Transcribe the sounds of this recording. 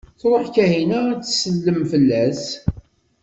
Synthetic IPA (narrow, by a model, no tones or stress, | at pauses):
θɾˤəħkæɦinæt͡sːsəlːəmfəlːæs